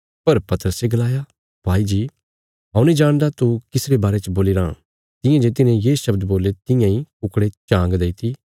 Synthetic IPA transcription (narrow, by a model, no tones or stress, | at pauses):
pɐɾpɐt̪əɾəseɡɐlaːja | bʱaːid͡ʒiː | ɦãːũnĩd͡ʒaːɽ̃d̪at̪ukɪsɾebaːɾet͡ʃboːliɾã | t̪ɪ̃jãd͡ʒet̪ɪnẽjeːʃɐbd̪boːlet̪ɪ̃jãĩʊkɽet͡ʃãːŋɡd̪eːt̪ʰi